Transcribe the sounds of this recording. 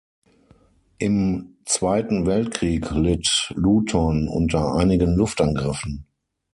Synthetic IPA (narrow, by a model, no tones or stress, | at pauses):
ʔɪmt͡sv̥aɪtn̩vɛltkʁ̥iːklɪtluːtʰɔnʔʊ̰ntɐʔa̰ɪnɪɡənlʊftʔanɡʁɪfn̩